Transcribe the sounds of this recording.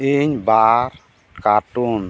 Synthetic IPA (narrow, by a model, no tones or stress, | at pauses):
iɲbaɾ | kaʈun